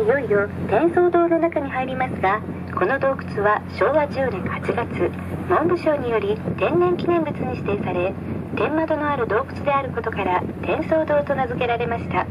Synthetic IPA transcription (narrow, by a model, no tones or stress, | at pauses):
ijo̞ijot̪ẽ̞ɰ̃so̞ːd̪o̞ːno̞nakaɲ̟iɦaiɾʲimasɨɡa | ko̞no̞d̪o̞ːkɯ̥t͡sɨβaɕo̞ːβaʑɨːnẽ̞ŋhat͡ɕiɡat͡sɨ | mõ̞mbɯ̟ɕo̞ːɲ̟ijo̞ɾʲit̪ẽ̞nːẽ̞ŋkʲinẽ̞mbɯ̟t͡sɨɲ̟iɕt̪e̞ːsaɾe̞ | t̪ẽ̞mːat̪o̞noaɾɯ̟d̪o̞ːkɯ̟̥t͡sɨd̪e̞aɾɯ̟ko̞t̪o̞kaɾat̪ẽ̞ɰ̃so̞ːd̪o̞ːt̪o̞nazɨke̞ɾaɾe̞maɕi̥t̪a